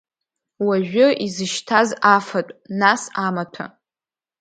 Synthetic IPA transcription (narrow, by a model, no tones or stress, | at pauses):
waʒᶣʷʊʔizɨʃtʰazafatʷʼnasamatʰa̰